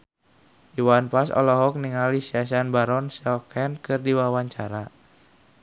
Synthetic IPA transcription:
ʔiwanpasɔ̰lɔɦɔk̚niŋalisias̬anbaɾɔnsɔkʰɛnkɨrdiwawaɲt͡ʃaɾa

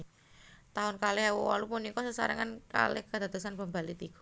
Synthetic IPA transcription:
t̪aɦʊnkaleɦawwa̰lupunikɔsəsa̰ɾa̰ŋanka̰lḛhkəd̪at̪usanbəmbalit̪iku̥

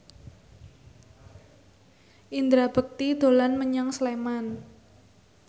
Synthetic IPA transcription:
ʔind̪ɾab̥ə̤k̚t̪id̪̥o̤lanməɲaŋsleman

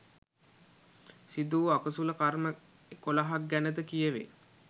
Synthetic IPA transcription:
sid̪uːakəsuləkarmə | kolaɦak̚ɡænəd̪əkijəʋḛ

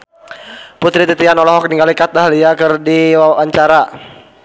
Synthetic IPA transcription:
put̪ɾit̪it̪ianɔlɔɦɔk̚niŋɡalikat̪̚aɦliakərdiwawaɲt͡ʃaɾa

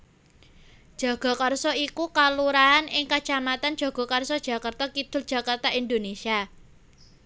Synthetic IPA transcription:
d̥ʒ̥a̤ɡ̥ɔ̤karsɔikukaluɾaɦanɪŋkat͡ʃamat̪and̥ʒ̥a̤ɡ̥ɔ̤karsɔd̥ʒ̥a̤kart̪akid̪̥ʊ̤ld̥ʒ̥ä̤kart̪aʔind̪onesia

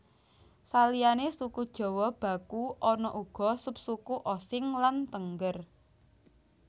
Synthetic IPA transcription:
salijanesukud̥ʒ̥ɔ̤wɔhb̥ä̤kuɔnɔʔuɡ̥ɔ̤sup̚sukuʔosɪŋlant̪əŋɡər

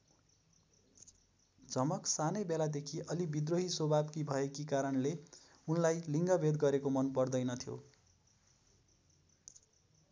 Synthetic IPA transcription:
d͡zʌmʌksanʌjbelad̪ekʰiʔʌlibid̪roɦisobʱabkibʱʌekikaɾʌnle | unlajliŋɡʌbʱed̪ɡʌɾekomʌnpʌrd̪ʌjnʌt̪ʰjo̰

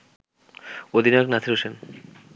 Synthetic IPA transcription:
od̪ʱinaɾnat̪ʰiɾoʃen

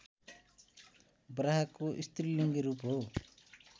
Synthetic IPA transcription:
braɦakoʔist̪riliŋɡiɾupɦo

